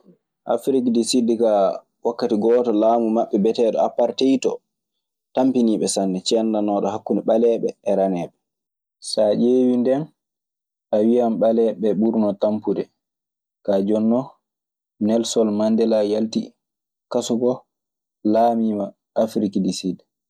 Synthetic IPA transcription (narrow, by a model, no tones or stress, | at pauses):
ʔa̰fɾikdisidika | wakːatiɡɔtɔlaːmumaɓːɛbɛtɛɗɔapːaɾtejtɔ̰ | tampiniːɓɛsanːɛt͡ʃɛndanɔːɗɔhakːunɛɓalɛːɓɛːɾanɛːɓɛ | sad͡ʒeːwindɛn | ʔawiamɓalɛɓɛɓuɾnɔtampudɛ | kad͡ʒɔnːɔ | nɛlsɔlmandɛlajalti | kasuɡɔ | laːmiːma | ʔːfɾikdisid